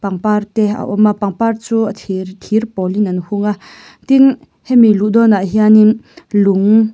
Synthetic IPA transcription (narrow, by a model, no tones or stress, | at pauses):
paŋpart̪ɛa̰ʔɔmapaŋpart͡suːatʰrt̪ʰirpɔlinanhuŋa | t̪in | hɛmiluʔd̪ɔnaʔɦianiluŋ